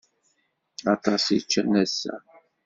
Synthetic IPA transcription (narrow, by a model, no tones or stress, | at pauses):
ɑt̪ˤɑsit͡ʃːənæsːæ̰